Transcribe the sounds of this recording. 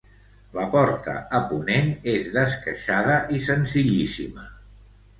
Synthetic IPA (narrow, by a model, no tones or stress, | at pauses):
ləpɔrt̪ə̰əpunenezðəskəʃaðəʔisənziʎisḭmə